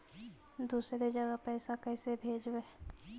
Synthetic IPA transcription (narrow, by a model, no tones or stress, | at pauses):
d̪uːsɾed͡ʒəɡəpɛːsakɛːsebʱeːd͡ʒwe